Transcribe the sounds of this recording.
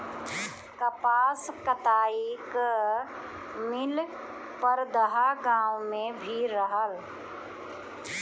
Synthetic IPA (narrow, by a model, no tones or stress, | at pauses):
kəpaːskət̪aːik | mɪl | pəɾd̪əɦaɡãːwmẽbʱiɾəɦəl